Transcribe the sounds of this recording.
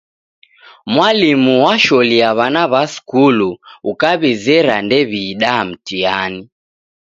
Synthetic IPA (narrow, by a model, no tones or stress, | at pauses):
mwalimuwaʃɔliaβanaβaskuluukaβizɛɾandɛβiːɗam̩tiani